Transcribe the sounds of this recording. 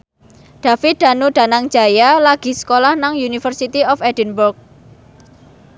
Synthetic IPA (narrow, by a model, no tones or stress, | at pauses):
ɖ̥a̤fɪd̪̥a̤nuɖ̥a̤naŋ̥d͡ʒ̥a̤jalaɡ̥i̤sə̥kolahnaŋjunifərsit̪iɔfɛd̥ə̤nbʊrk̚